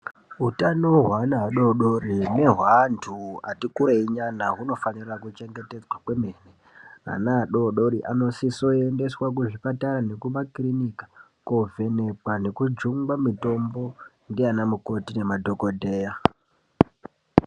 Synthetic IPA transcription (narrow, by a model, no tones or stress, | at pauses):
ɦutanoɦwanaːɗo̞ɗo̞rine̞ɦwantʰua̰tikuɾeiɲanaɦuno̞fanirakut͡ʃe̞ŋɡe̞te̞d͡zwakwe̞me̞ːne | a̰naːɗo̞ɗo̞ɾiʔa̰no̞siso̞ende̞swak̬uʐipataɾane̞kumakrinikḁ | ko̞vʱe̞ne̞pwane̞kud͡ʒuŋɡwamito̞mbo̞ | ndianamuko̞tine̞madʱo̞ko̞dʱe̞ːja